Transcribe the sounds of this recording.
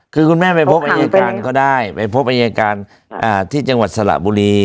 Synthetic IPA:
kʰɯː˧kʰu˧nmɛː˥˩pa˧jpʰo˦˥p̚ʔa˧jaː˧kaː˧nnkɔː˥˩daː˥˩jpa˧jpʰo˦˥p̚ʔa˧jaː˧kaː˧n | ʔaː˧˩t̪ʰiː˥˩t͡ɕa˧ŋwa˨˩t̪̚sa˧la̰˨˩ʔbuː˧ɾiː˧

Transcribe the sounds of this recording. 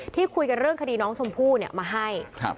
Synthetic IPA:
t̪ʰiː˥˩kʰu˧jka˧nɾɯ˥˩əŋkʰa˧diː˧nɔː˦˥ŋsʰo˧mpʰuː˥˩ni˥˩ɐmaː˧ɦa˥˩jk̚ʰ

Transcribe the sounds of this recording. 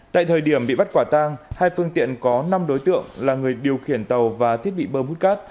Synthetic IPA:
t̪a̰ː˧˨jt̪ʰəː˨˩jɗi˧˩əmɓḭ˧˨ɓa˦˥t̚kwaː˧˩t̪aː˧ŋhaː˧jfɨ˧əŋt̪ḭ˧˨ənkɔ˨˦na˧mɗo˨˦jt̪ɨ̰˧˨əŋlaː˨˩ŋɨ˨˩əjɗi˨˩əwxi˧˩ənt̪ə˨˩wvaː˨˩t̪ʰi˦˥ət̚ɓḭ˧˨ɓəː˧˩mhu˦˥t̚kaː˦˥t̚

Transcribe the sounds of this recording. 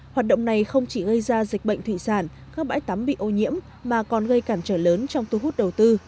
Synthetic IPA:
hwaː˨˩t̚ɗə̰˧˨wŋ͡mna˨˩jxə˧wŋ͡mt͡ɕi˧˩ɣə˧jzaː˧zi˨˩k̟̚ɓə̰˧˨ŋ̟t̪ʰḭ˧˨saː˧˩n | kaː˦˥k̚ɓa̰ː˧˥jt̪a˨˦mɓḭ˧˨ʔo˧ɲḭ˧˥əmːaː˨˩kɔ˨˩nɣə˧jkaː˧˩mt͡ɕəː˧˩nləː˨˦nt͡ɕɔ˧wŋ͡mt̪u˧ɦu˦˥t̚ɗə˨˩wt̪ɨ˧

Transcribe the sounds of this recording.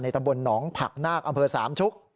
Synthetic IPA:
na˧jt̪a˧mbo˧nːɔː˩˦ŋpʰa̰˨˩k̚naː˥˩k̚ʔa˧mpʰɤː˧saː˩˦mt͡ɕʰu˦˥k̚

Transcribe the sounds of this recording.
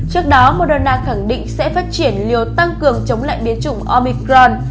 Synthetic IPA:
t͡ɕɨ˦˥ək̚ɗɔ˨˦mo˨˩t̚ɗo˨˩nlaː˨˩xa˧˩ŋɗḭ˧˨ŋ̟sɛ̰˧˥faː˦˥t̚t͡ɕi˧˩ənli˨˩əwt̪a˧ŋkɨ˨˩əŋt͡ɕə˨˦wŋ͡mla̰ː˧˨jɓi˨˦ənt͡ɕʊ˧˩ŋ͡mʔɔ˧mi˧kɾɔ˧n

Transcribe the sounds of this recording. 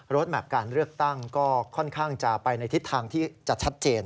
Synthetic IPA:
ɾo˦˥t̪̚bɛ˨˩p̚kaː˧nɾɯ˥˩ək̚t̪a˥˩ŋkɔː˥˩kʰɔ˥˩nkʰaː˥˩ŋt͡ɕa˨˩pa˧jna˧jt̪ʰi˦˥t̪ʰːaː˧ŋt̪ʰiː˥˩t͡ɕa˨˩t͡ɕʰa˦˥t̪̚t͡ɕeː˧n

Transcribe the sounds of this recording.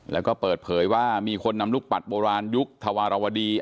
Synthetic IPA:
lɛ̰ː˦˥wkɔː˥˩pɤː˨˩t̪̚pʰɤː˩˦jwaː˥˩miː˧kʰo˧nːa˧mluː˥˩k̚pa˨˩t̪̚boː˧ɾaː˧nju˦˥k̚t̪ʰa˧waː˧ɾa˧wa˧diː˧

